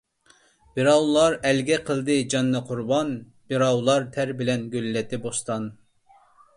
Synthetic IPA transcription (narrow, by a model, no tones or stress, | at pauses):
b̥iɾɑwlˠɑɾɛlɡʲɛqʰəlˠd̪ɨd͡ʒɑnːɨqʰʊɾbɑn | b̥iɾɑwlˠɑɾt̪ʰæɾbɪlɛnɡʲølːɛt̪ɪbost̪ɑn